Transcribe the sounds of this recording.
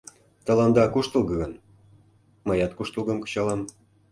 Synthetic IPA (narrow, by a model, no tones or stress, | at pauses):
t̪əlɑnd̪ɑkuʃt̪əlˠɡɤɣən | mɤjɑt̪kuʃt̪ə̆lˠɡə̆mkɤ̥t͡ɕɑlɑm